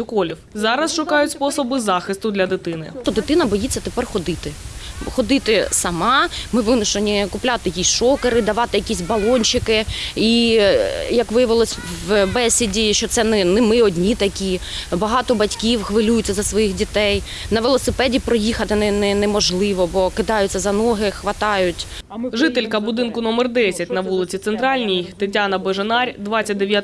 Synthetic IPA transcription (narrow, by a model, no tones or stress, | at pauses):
jʊkɔlʲiwzɑɾɐsʃʊkɑjʊtʲspɔsɔbɪzɑxɪst̪ʊd̪lʲɐd̪ɪt̪ɪnɪ̰t̪ɔd̪ɪt̪ɪnɐbɔjit͡sʲːɐt̪epɛrxɔd̪ɪt̪ɪxɔd̪ɪt̪ɪsɐmɑmɪʋɪnʊʃenʲikʊplʲat̪ɪjɐkʲisʲʃɔkeɾɪd̪ɐʋɑt̪ɪjɐkʲisʲbɐlˠɔnʲt͡ʃɪkɪi | jɐkʋɪjɐʋɪlˠɔsʲʋbɛsʲɪdʲiʃt͡ʃɔt̪sɛnɛnɪmɪɔdʲnʲit̪ɐkʲibɐɦɑt̪ɔbɐtʲkʲiwxʋɪlʲujʊtʲt͡sʲːɐzɐsʋɔjixdʲit̪ɛj | nɐʋɪlˠɔsɪpɛdʲipɾɔjixɐt̪ɪnɪnɛnɛmɔʒlˠɪʋɔbɔkɪd̪ɑjʊt͡sʲːɐzɐnɔɦɪxʋɐt̪ɑjʊtʲ | ʒɪt̪elʲkɐbʊd̪ɪnkʊnɔmɛrd̪ɛsʲɐtʲnɐʋulˠɪt͡sʲit̪sɛnt̪ɾɑlʲnʲijt̪ɪtʲanɐbeʒenɑrʲd̪ʋɑt͡sʲɐt̚ʲd̪eʋja